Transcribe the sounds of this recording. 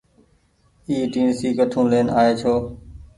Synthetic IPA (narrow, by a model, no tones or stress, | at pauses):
iːʈiːnsiːkəʈʰũːleːnaːeːt͡ʃʰoː